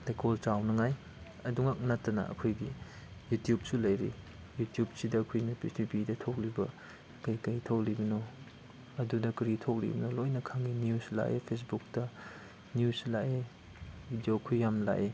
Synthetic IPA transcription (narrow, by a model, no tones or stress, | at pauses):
tekʰolt͡ʃawnɐŋaj | ɐduŋak̚natːɐnɐ̰ɐ̰kʰojɡi | jutjup̚sulɐjɾḭ | jutijub̚sidɐːkʰujnɐpitipidɐtʰok̚libɐ | kajkɐjtʰowlibino | ɐdudɐkɾitʰok̚lḭbinolojnɐkʰaŋiniusla̰ʔḛpʰes̬buk̚tɐ | niuslaʔe | bidjokʰujːamnɐla̰ʔe